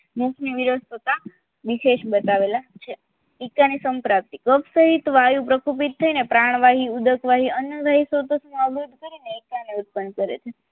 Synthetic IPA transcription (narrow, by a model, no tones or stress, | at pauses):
mũkʰniʋiɾəst̪ʰət̪a | ʋiʃeʃbət̪aʋelat͡ʃʰe | ikanisəmpɾap̚t̪ikəpʰsəɦit̪ʋajũpɾəkup̬it̪ʰːəinepɾaɳ̃ʋaɦiud̪əkʰʋaɦiənjəd̪ʱaɦisət̪əsməbud̪kəɾineikaniut̪̚pənːkəɾḛt͡ʃʰe